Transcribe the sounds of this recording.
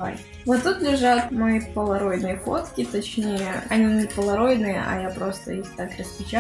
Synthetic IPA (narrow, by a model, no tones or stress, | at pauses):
a̰j | vot̪ːut̪lʲɪʐat̪mɐipəlˠɐɾo̞jnɨjəko̞̰t̪kʲɪt̪ɐt͡ɕnʲejəɐnʲinʲɪpəlˠɐɾo̞jnɨjə̰ʔɐ̰japɾo̞st̪ə̰ixt̪akɾəspʲɪt͡ɕa